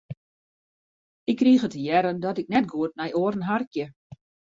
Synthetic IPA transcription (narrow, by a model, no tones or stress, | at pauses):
ɪkːriːxətəjɛɾəndɔtɪk̚nɛt̚ɡuət̚mɛjʔoːɾn̩ɦarkjə